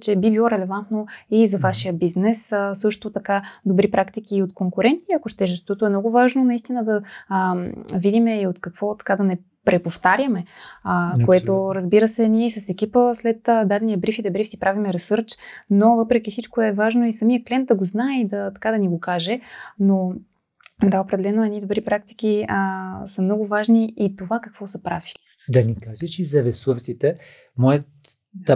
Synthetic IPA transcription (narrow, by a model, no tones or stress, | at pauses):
t͡ʃɛbibilˠɔɾɛlɛvant̪noizɐvaʃijəbiznɛssɤʃt̪ot̪ɐkad̪obɾipɾakt̪ik̟iːot̪koŋkʊɾɛnt̪iɐkoʃt̪ɛʒɛʃt̪ot̪oɛmnɔɡʊvaʒnonɐist̪inəd̪ɐ | vid̪imɛiot̪kɐkv̥ɔt̪ɐ̥kad̪ɐnɛ | pɾɛpoft̪aɾʲjəmɛəkoɛt̪oɾəzbiɾəsɛniɛisɐsɛk̟ipəslɛt̪ːd̪ad̪ɛnijəbɾifid̪ɐbɾifsipɾavimɛɾɛsɤɾt͡ʃnovɤpɾɛk̟ifsit͡ʃkoɛvaʒnoisɐmijəklɛnt̪̚d̪ɐɡoznaɛid̪ɐt̪ɐ̥kad̪ɐniɡokaʒɛno | d̪aopɾɛd̪ɛlɛnoɛd̪nid̪obɾipɾak̚t̪i̥k̟iəsəmnɔɡovaʒniit̪ovakəkv̥ɔsɐpɾavi̥li̥ | d̪ɐnikaʒɛt͡ʃizɐvɛsuft̪sit̪ɛ | mɔjə